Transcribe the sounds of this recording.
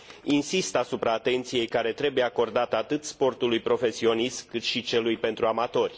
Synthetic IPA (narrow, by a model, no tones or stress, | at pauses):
insist̪asupɾaːt̪e̞nt̪sije̞jkaɾe̞t̪ɾe̞buje̞ako̞rd̪at̪at̪ɨt̪spo̞rt̪ulujpɾo̞fe̞sio̞nist̪kɨt̪ʃit͡ʃe̞lujpe̞nt̪ɾuamat̪o̞rʲ